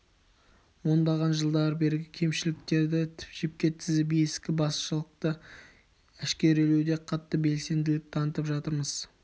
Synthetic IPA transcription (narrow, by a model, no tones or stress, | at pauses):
wo̞nd̪ɑʁɑnʒəlˠd̪ɑɾbe̞ɾɪɡʲɪkʲʰe̞mʃɪlɪk̚t̪e̞ɾd̪ɪt̪ʰɪ̥pʒep̚kʲe̞t̪ʰɪzɪbijɪskʲɪbɑsʃəlˠəq̚t̪ə | æʃkʲe̞ɾelewd̪e̞qʰɑt̪ːəbe̞lse̞nd̪ɪlɪk̚t̪ʰɑnət̪əpʒɑt̪əɾməz̥